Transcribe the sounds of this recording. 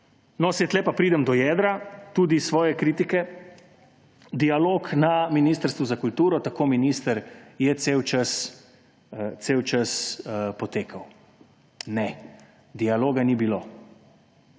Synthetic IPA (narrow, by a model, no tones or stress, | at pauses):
nɔsɛt̪lɛpapɾiːd̪ɛmd̪ɔjɛːd̪ɾat̪uːd̪isʋɔːjɛkɾiːt̪ikɛ | d̪ialoːknaminiːst̪əɾst̪ʋuzakult̪uːɾɔt̪akoːminiːst̪əɾjɛt̪seːwt͡ʃəs | t̪seːwt͡ʃəspɔt̪eːkʰaw | nɛ | d̪ialoːɡanibiloː